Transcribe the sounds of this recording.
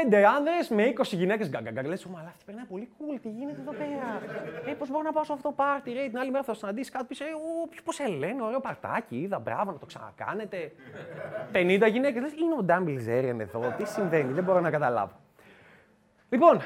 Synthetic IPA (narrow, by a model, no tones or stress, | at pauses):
pend̪eɐnðɾe̞sme̞iko̞siʝine̞cesɡɐŋɡɐɡɐɾlesomɐlɐːfo̥t̪ipeɾnɐipo̞likult̪iʝine̞t̪eðo̞pe̞ɾɐepo̞zbo̞ɾonɐpɐsoɐfooopɐɾt̪iɾeet̪inɐlimeɾɐfɐt̪osinɐnd̪isi̥kɐt̪opisopçoposele̞neoɾe̞o̞pɐɾt̪ɐ̰ciiðɐbɾɐ̰vo̞nɐt̪o̞ksɐ̰nɐ̰kɐ̰ne̞t̪e̞ | pe̞nind̪ɐʝine̞ckeslesineod̪ɐmbilzeɾiɐneðo̞t̪isiɱve̞niðebo̞ɾonɐkɐt̪ɐlɐ̰vo̞ | lipo̞n